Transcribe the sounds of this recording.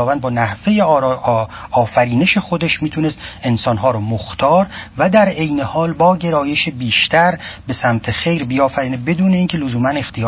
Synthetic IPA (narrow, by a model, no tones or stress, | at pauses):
ɒːvænd̪bɒːnæhve̞je | ɒːfæɾiːneʃexod̪eʃmiːt̪ʰune̞st̪e̞nsɒːnɦɒːɾɔmoxt̪ʰɒːɾvæd̪æɾe̞jne̞hɒːlbɒːɟe̞ɾɒːje̞ʃebiːʃt̪ʰæɾbe̞sæmt̪ʰexe̞jɾbiɒːfæɾiːnebe̞d̪uːne̞iːncʲʰe̞lozuːmæne̞xt̪ʰejː